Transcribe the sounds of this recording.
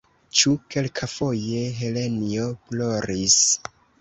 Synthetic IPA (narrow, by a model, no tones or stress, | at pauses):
t͡ʃuke̞lkʰafo̞je̞ɦe̞le̞nioplo̞ɾis